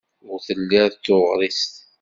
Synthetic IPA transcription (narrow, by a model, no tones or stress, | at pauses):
ʊɾθəlːæɾðt̪ːoʁɾˤist̪